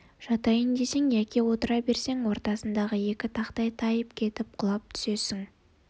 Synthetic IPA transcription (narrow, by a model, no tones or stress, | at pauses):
ʒ̥ɑt̪ɑjənd̪e̞seŋjækʲewo̞t̪əɾɑbe̞ɾse̞ŋwo̞ɾt̪ɑsənd̪ɑʁəje̞kʲɪt̪ʰɑqt̪ɑjt̪ʰɑjəpkʲʰe̞t̪ɪp̚qʰʊlˠɑp̚t̪ʰʏ̥se̞sɪŋ